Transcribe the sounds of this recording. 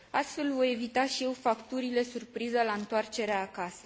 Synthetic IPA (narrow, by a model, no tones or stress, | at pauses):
ast̪fe̞lvo̞je̞vit̪aʃije̞wfakt̪uɾile̞surpɾizəlaɨnt̪oart͡ʃe̞ɾeaːkasə̥